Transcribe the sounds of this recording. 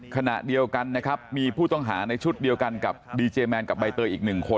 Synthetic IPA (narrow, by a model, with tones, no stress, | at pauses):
kʰa˧na̰˨˩ʔdi˧əwka˧nːa˦˥kʰa˦˥p̚miː˧pʰuː˥˩t̪ɔ˥˩ŋɦa̰ː˩˦na˧jt͡ɕʰu˦˥t̪̚di˧əwka˧nka˨˩p̚diː˧t͡ɕeː˧mɛː˧nka˨˩p̚ba˧jt̪ɤː˧ʔiː˨˩k̚nɯ˨˩ŋkʰo˧n